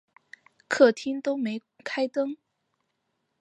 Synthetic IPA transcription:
kʰɤ˥˩t̪ʰi˥ŋt̪o˥ʊme˧˥ɪ | kʰa˥ɪt̪ɤ˥ŋ

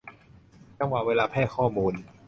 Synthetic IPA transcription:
t͡ɕa˧˥˩ŋkwa˨˩weː˧laː˧pʰɛː˥˩kʰɔː˥˩muː˧n

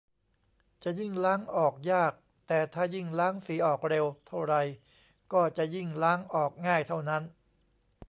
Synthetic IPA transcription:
t͡ɕa˨˩ji˥˩ŋlaː˦˥ŋʔɔː˨˩k̚jaː˥˩k̚ | t̪ɛː˨˩t̪ʰaː˥˩ji˥˩ŋlaː˦˥ŋfiː˨˦ʔɔː˨˩k̚ɾe˧wt̪ʰa˥˩wɾa˧j | kɔː˥˩t͡ɕa˨˩ji˥˩ŋlaː˦˥ŋʔɔː˨˩k̚ŋaː˥˩jt̪ʰa˥˩wna˦˥n

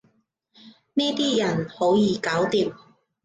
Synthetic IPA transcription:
nɛː˥t̪iː˥jɐ˨˩nho˨˥wjiː˨˧kaː˨˥wt̪iː˧m

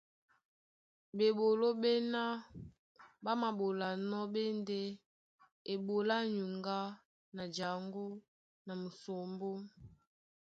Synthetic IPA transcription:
be˨ɓo˨lo˦ɓe˦na˦ | ba˦ma˨ɓo˨la˨nɔ˦ɓe˦nde˦ | e˨ɓo˨la˦ɲu˨ŋɡa˦ | na˨d͡ʒa˨ŋɡo˦ | na˨mu˨so˨mbo˦

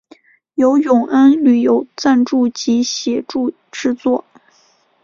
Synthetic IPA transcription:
jo˧˥ʊjʊ˨˩ŋʔə˥nly˨˩jo˧˥ʊt͡sa˥˧nʈ͡ʂu˥˩t͡ɕi˧˥ɕjɛ˨˩ʈ͡ʂu˥˧ | ʈ͡ʂɻ̩˥˧t͡swɔ˥˩

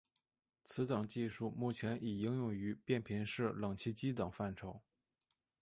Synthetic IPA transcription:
t͡sʰɹ̩˧˥t̪ɤ˨˩ŋt͡ɕi˥˧ʂu˥˧mu˥˩t͡ɕʰjɛ˧˥nʔi˨˩i˥ŋjʊ˨˩ŋy˧˥pjɛ˥˩npʰi˧˥nʂɻ̩˥˩lɤ˨˩ŋt͡ɕʰi˥˧t͡ɕi˥t̪ɤ˨˩ŋfa˥˩nʈ͡ʂʰo˧˥ʊ

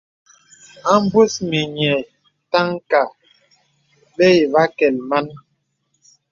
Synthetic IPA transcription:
a˦m˦bu˦smi˨ɲɛ˨ | ta˦ŋka˨ | ɓe˦i˨va˦kɛ˨lma˦n

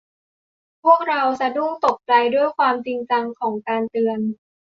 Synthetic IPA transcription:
pʰu˥˩ək̚ɾa˧wsa˧du˥˩ŋt̪o˨˩k̚t͡ɕa˧jdu˥˩əjkʰwaː˧mt͡ɕi˧ŋt͡ɕa˧ŋkʰɔː˩˦ŋkaː˧nt̪ɯ˧ən

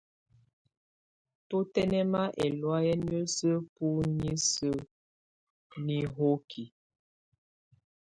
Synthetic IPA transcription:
po˦tɛ˦nɛ˦ma˦ʔɛ˨lwa˦jɛ˦n˦ə˦sə˦pu˦ɲi˦sə˦ | ni˦ɦo˦kʰi˨

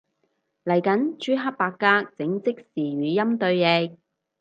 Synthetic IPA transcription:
lɐ˨˩jkɐ˨˥nt͡ʃyː˥ɦɐ˥p̚paː˧kːaː˥k̚t͡sɪ˨˥ŋt͡sɪ˥k̚siː˨ɥyː˨˧jɐ˥mt̪ɵ˧ɥɛ˧k̚

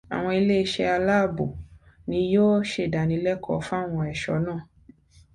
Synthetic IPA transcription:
a̰˨w̃ɔ̃˧i˧le˦i˧ʃɛ˧a˧la˦˨bo̰˨ | nĩ˧jo˦ʃe˦˨da˨nĩ˧˦lɛ˦kʰɔ˨˦fa˦˨w̃ɔ̃˧ɛ˨ʃɔ̰˨˦nãː˦˨

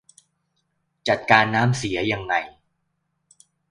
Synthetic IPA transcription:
t͡ɕa˨˩t̪̚kaː˧nːaː˦˥msi˩˦ɐja˧ŋːa˧j

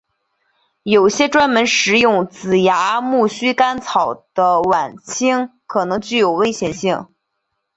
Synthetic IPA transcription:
jo˨˩ʊɕjɛ˥ʈ͡ʂwa˥nmə˧˥nʂɻ̩˧˥jʊ˥˩ŋt͡sɹ̩˨˩ja˧˥mu˥˩ɕy˥ka˥nt͡sʰɑ˨˩ʊd̪̥ə˦wa˨˩nt͡ɕʰi˥ŋkʰɤ˨˩nɤ˧˥ŋt͡ɕy˥˩jo˨˩ʊwe˥ɪɕjɛ˨˩nɕi˥˩ŋ

